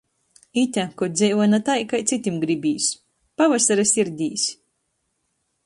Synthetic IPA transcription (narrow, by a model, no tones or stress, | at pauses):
it̪ʲakɔd̪zʲɛjvunat̪ajkajt̪sit̪ʲimɡɾibʲiːsʲ | pavasaɾasʲiɾd̪ʲiːsʲ